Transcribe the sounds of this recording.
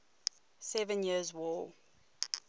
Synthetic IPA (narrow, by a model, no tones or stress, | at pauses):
sɛvə̃njiəzwɔː